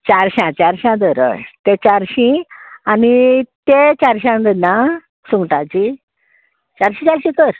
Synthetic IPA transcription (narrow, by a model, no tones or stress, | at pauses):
t͡ɕaɾɕãt͡ɕaɾɕãd̪əɾə̰jt̪et͡ɕaɾɕĩanit̪et͡ɕaɾɕãnd̪əna | suŋɡʈat͡ɕi | t͡ɕaɾɕĩt͡ɕaɾɕĩt̪əɾ